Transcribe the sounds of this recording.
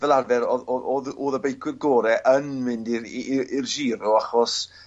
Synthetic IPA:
vɛlˠarvɛɾɔɔoðoːðəbejkʰwɪrɡoːɾɛʔənmɪndiirʒiːɾɔaχɔs

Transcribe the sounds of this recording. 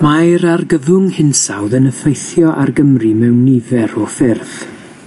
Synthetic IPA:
majɾarɡəvʊŋhɪnsawðənəfejθjɔʔarɡəmrimɛwnːɪvɛɾɔfɪrð

